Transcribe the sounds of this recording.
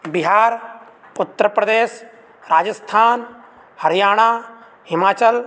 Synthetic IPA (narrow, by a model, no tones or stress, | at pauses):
biɦaːɾ | pʊt̪ːɾəpɾəd̪eːs | ɾaːd͡ʒəst̪ʰaːn | hɐɾijaːɽ̃aː | ɦɪmaːt͡ʃəl